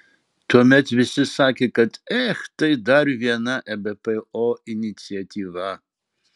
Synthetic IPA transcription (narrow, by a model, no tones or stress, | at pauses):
t̪ʰɔmɛt̪ʰvisɨsakʲʰikʼɐt̪ʰʼɛxt̪ʼɐjd̪aɾvianaʔɛbɛpʼɛɔinit̪t͡siat̪ʲʰʼiva